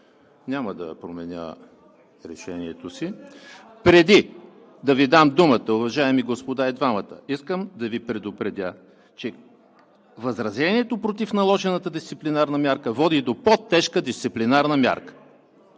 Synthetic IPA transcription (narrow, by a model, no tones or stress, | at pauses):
nʲaməd̪ɐ̰pɾomɛnʲə̰ | ɾɛʃɛniɛt̪osi | pɾɛd̪i | d̪ɐvid̪amd̪umət̪əʊvɐʒaɛmiɡospod̪aɛd̪vamət̪ə̰iskəmd̪ɐvipɾɛd̪opɾɛd̪ʲa | t͡ʃɛ | vɐzɾɐzʲɛniɛt̪opɾot̪ifnɐlˠɔʒɛnət̪əd̪ist̪siplinaɾnəmʲjaɾkəvɔd̪id̪opot̪ːɛʃkəd̪ist̪siplinaɾnəmʲa̰ɾkə̥